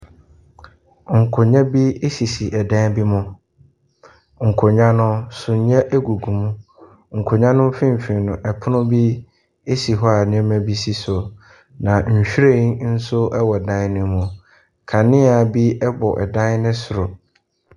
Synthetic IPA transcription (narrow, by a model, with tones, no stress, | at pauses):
ŋ̩˨kʰʊ˨ɲã˦bi˦e˦si˨si˨ʔɛ˨dã˦bi˦mʊ̃˦ | ŋ̩˨kʰʊ˨ɲã˦nʊ̃˦sʊ˨ɲ˦ã˦ʔe˦ɡu˨ɡũ˨mũ˦ | ŋ̩˨kʰʊ˨ɲã˦nʊ̃˦m˦fɪ̃˦m˨fĩ˨nʊ̃˨ʔɛ˨pʰʊ˦nʊ̃˦bi˦ | e˦si˨ɦɔ˦a˨ñ˨˦mɛ̃˦bi˦si˦sʊ˨ | nã˨ɲ̩˨ɕᶣɾe˦n̩˦sʊ˦ɛ˦wɔ˨dã˦nʊ̃˦mʊ̃˨ | kʰã˨nɪ̃˦a˨bi˦ɛ˦bɔ˨ʔɛ̰˨dã˦nnɪ̃˦sʊ˨ɾʊ˨